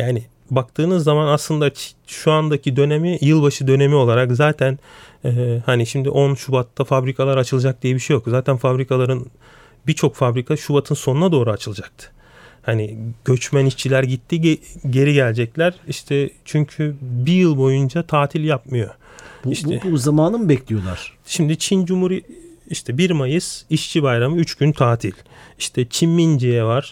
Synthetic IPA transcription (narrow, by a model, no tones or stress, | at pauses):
jaːnɪ | bak̚t̪ʰɯːnɯzːamanaslˠɯnd̪ḁ | ʃuand̪acʰid̪ø̞ne̞mijɯlˠbaʃɯd̪ø̞ne̞mio̞lˠaɾakzaːt̪ʰænɛːhaniʃimd̪ḭʔo̞nʃubat̪ːafabɾikʰalˠaɾat͡ʃʰɯlˠad͡ʒak̚d̪ijɛbiʃejo̞kzaːt̪ʰænfabɾikʰalˠaɾɯn | bit͡ʃʰo̞kfabɾikʰaʃubat̪ʰɯnso̞nunad̪o̞ːɾuat͡ʃʰɯlˠɯd͡ʒak̚t̪ʰɯ̥ | haniɟ̥ø̞t͡ʃmæniʃt͡ʃʰilʲæɾɟit̪ʰːiɟe̞ɾiɟælʲd͡ʒɛclʲæɾ̥iʃt̪ʰɛt͡ʃʰyɲcʰybijɯlˠbo̞jund͡ʒat̪ʰaːt̪ʰilʲjapmɯjo̞iʃtʰɛbuzamaːnɯnbɛclʲijo̞lˠa̰ɾ̥ʃimd̪it͡ʃʰind͡ʒumuɾiiʃt̪ʰɛbiɾmajɯz̥iʃt͡ʃʰibajɾamɯyt͡ʃɟynt̪ʰaːt̪ʰilʲiʃt̪ʰɛt͡ʃʰinmind͡ʒejɛvaɾ̥